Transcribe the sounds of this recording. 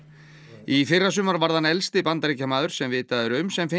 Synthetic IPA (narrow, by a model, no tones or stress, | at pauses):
ifɪrːasʏːmaɾvaɾðanɛlst̪ɪpant̪aɾɪcamaːðʏɾ̥sɛmvɪːt̪aðɪɾʏmsɛmfɪ